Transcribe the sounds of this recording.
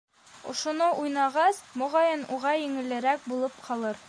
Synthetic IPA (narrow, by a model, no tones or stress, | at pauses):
ŏʃŏnoʔujnɑʁɑsmŏʁɑjɘnuʁɑjɘ̆ŋɘ̆lɘ̆ɾæk̚bulˠɤpqʰɑlˠɤɾ